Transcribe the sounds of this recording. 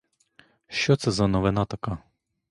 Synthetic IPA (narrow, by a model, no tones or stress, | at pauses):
ʃt͡ʃɔt̪sɛzɐnɔʋɪnɑt̪ɐkɑ